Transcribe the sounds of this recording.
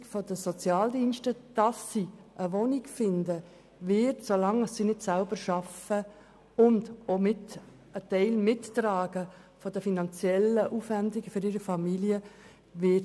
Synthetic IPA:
kfɔdəsɔt͡sjɑːldinʃtəd̥ɑsːiʔəʋoniɡfɪndə | vɪtsolɑŋəsːinɪtsælbəɾʃɑfə | ʊndomɪt | ətɛɪlmɪtːɾaːɡə | fɔdəfinɑnt͡sjɛləʔuːfʋændɪɡ̥əfʏɾɪːɾəfɑmiljə | ʋɪt

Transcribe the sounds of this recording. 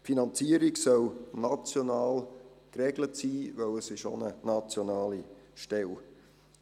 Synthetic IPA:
finɑnt͡siəɾiksœlnɑt͡sjonɑːlkrɛɡlətsiːvɛwəsɪʃo̰nənɑt͡sjonɑːliʃtɛl

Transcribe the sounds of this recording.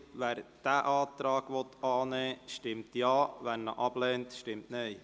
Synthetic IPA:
ʋæːɾd̥æːʔɑːtɾɑːɡʋɔt̪ʰːɑːnɛːʃtɪmtjɑːʋænnə̰ʔɑblɛːntʃtɪmtnɛː

